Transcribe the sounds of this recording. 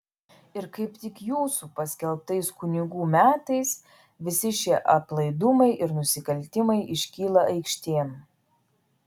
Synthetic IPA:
ɪɾkɐɪpt̪ʲɪkjuːsupɐsʲkʲɛlˠp̚t̪ɐɪskʊnʲɪɡuːmʲæːt̪ɐɪs | ʋʲɪsʲɪʃʲiɛʔɐplˠɐɪd̪ʊmɐɪʔɪɾnʊsʲɪkɐlʲt̪ʲɪmɐɪʔɪʃʲkʲiːlˠɐʔɐɪkʃʲt̪ʲeːm

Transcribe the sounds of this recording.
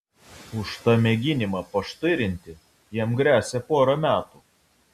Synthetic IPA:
ʊʃt̪ɑmʲɛɡʲɪnʲɪmɑːpɐʃt̪ɐɪɾʲɪnʲt̪ʲɪ | jiɛmɡɾʲæːsʲɛpoːɾɐmʲæːt̪uː

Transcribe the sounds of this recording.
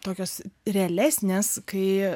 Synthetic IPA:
t̪oːkʲoːsɾʲɛɛlʲæːsʲnʲeːskɐɪ

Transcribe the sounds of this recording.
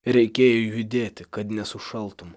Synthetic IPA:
ɾʲɛɪkʲeːjɛjʊd̪ʲeːt̪ʲɪkɐt̪nʲɛsʊʃɐlˠt̪ʊm

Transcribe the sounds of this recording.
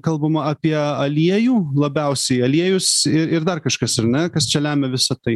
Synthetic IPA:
kɐlˠbɐmɐɐpʲiɛɐlʲiɛjuːlˠɐbʲɛʊsʲɛɪɐlʲiɛjʊsɪɾɪɾd̪ɐrkɐʃkɐsɐɾnʲɛkɐst͡ʃʲɛlʲæːmʲɛʋʲɪsɐt̪ɐɪ

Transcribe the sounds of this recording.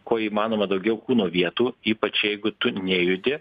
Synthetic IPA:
koːiːmɑːnoːmɐd̪ɐʊɡʲɛʊkuːnoːʋʲiɛt̪uːiːpɐt͡ʃjɛɪɡʊt̪ʊnʲeːjʊd̪ʲɪ

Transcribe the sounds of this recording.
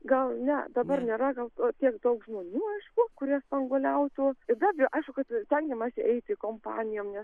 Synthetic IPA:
ɡɐlˠnʲɛd̪ɐbɐrnʲeːɾɐɡɐlˠt̪oːt̪ʲiɛkd̪ɐʊkʒmoːnʲuːɐɪʃkʊkʊɾʲiɛspɐŋɡoːlʲɛʊt̪uːɪɾd̪ɑːbʲjoːʔɐɪʃkʊkɐt̪sʲt̪ʲɛŋʲɡʲɛmɑːsʲɪʔɛɪt̪ʲɪkoːmpɑ̰ːnʲɪjoːmnʲɛs

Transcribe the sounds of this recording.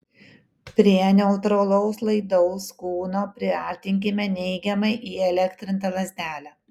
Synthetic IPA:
pʲɾʲiɛnʲɛʊt̪ɾoːlˠɔʊslˠɐɪd̪ɔʊskuːnoːpʲɾʲɪɐ̰ɾʲt̪ʲɪŋʲk̬ʲɪmʲɛnʲɛɪɡʲɛmɐɪʔiːɛlʲɛkʲt̪ʲɾʲɪnt̪ɐʋɐzʲd̪ʲæːlʲæː

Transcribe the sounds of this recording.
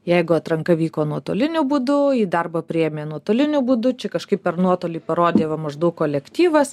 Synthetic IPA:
jɛɪɡʊɐt̪ɾɐŋkɐʋʲiːkoːnuɔt̪oːlʲɪnʲʊbʊd̪ʊiːd̪ɐrbɐpʲɾʲɪjɛmʲeːnuɔt̪oːlʲɪnʲʊbʊd̪ʊt͡ʃʲɛkɐʃkɐɪppʲɛrnuɔt̪oːlʲiːpɐɾoːd̪ʲeːʋɐmɐʒd̪ɐʊkkːoːlʲɛkt̪ʲiːʋɐs

